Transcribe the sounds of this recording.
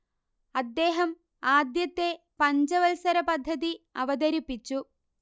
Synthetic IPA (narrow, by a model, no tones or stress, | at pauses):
ɐd̪ːe̞ːɦɐm | aːd̪jɐt̪ːe̞ | pɐɲd͡ʑɐʋɐlsɐɾɐpɐd̪ʱːɐðiɐʋɐd̪ɐɾipːit͡ɕːu